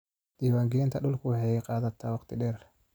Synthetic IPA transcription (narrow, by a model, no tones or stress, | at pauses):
d̪̥iːwaːŋɡɛːnt̪ʰɐɗʊlkʰʊwɑħɑjqɑːðɐt̪ʰaːwɑqt̪ʰɪɗɛːr